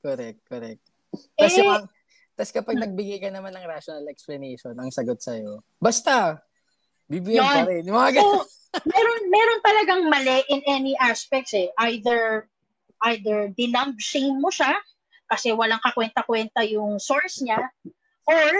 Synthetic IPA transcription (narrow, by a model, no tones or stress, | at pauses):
koɾɛk̚t̪̚koɾɛk̚t̪ | ɛɐ | t̪askɐpɐɡnɐɡ̚bɪɡajkɐnɐmanɐŋɾaʃonɐlɛksplɐnejʃonɐŋsɐɡot̪̚sɐjo | bɐst̪a | bibɪjjonɾɛnmɐŋaɡɐo | mɛɾo̞nmɛɾo̞nt̪ɐlɐɡaŋmɐlɛʔɪnʔɛniʔaspɛk̚t̪sɛʔajd̪ɛɹ | ʔajd̪ɛɹd̪ɪnɐmb̚ʃejmːoʃa | kɐsɛwɐlaŋkɐkwɛnt̪ɐkwɛnt̪ɐjʊŋsoɹsɲa | ʔoɹ